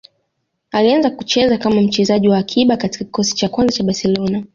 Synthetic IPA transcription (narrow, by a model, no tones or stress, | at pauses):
alianzakut͡ʃɛzakamam̩t͡ʃɛzaʄiwaːkʰiɓakati̥kaki̥kɔsi̥t͡ʃakwanzat͡ʃaɓasɛlɔna